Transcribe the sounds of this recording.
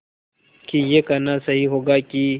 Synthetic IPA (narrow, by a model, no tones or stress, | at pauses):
kijekɐnasɐɦiɦoɡakʲi